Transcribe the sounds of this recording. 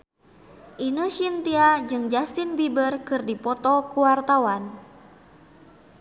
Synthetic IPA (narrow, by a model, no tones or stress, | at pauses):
ʔinusint̪iad͡ʒɨŋd͡ʒast̪inbibərkɨrdipɔt̪ɔkuwart̪awan